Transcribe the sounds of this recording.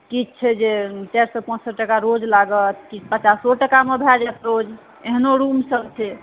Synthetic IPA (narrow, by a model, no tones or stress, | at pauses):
kit͡ʃʰɛd͡ʒet͡ʃaɾsɔpə̃t͡ʃsəʈːəkaɾod͡ʒlaɡət̪̚kipət͡ʃasoʈəkamebʱɛd͡ʒat̪ɾod͡ʒ | eɦnoɾumsəbt͡ʃʰɛ